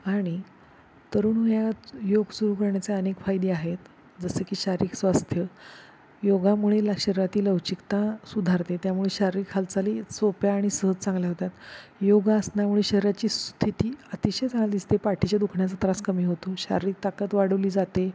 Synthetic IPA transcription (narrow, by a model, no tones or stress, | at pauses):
aɽ̃i | t̪əɾuːnɦuɦjajoɡsuɾuːkəɾɳjat͡seənekfajd̪eaɦet̪ | d͡zəsekiːɕaɾiːksʋast̪ʰjə | joɡamuɭelaɕəɾɾat̪iːləʋt͡ɕikt̪asud̪ʱaɾt̪et̪jamuɭeɕaɾɾiːkʰalt͡salisopjaːɽ̃isəɦət̪t͡sãŋɡljaɦot̪at̪joɡaəsnamuɭeɕəɦɾat͡ɕiːst̪ʰit̪iːət̪iɕet͡saɡald̪ist̪epaʈʰit͡ɕad̪ukʰɳjat͡sət̪ɾaskəmiːɦot̪oɕa̰ɾɾiːk̚t̪akət̪ʋaɽəʋliːd͡zat̪e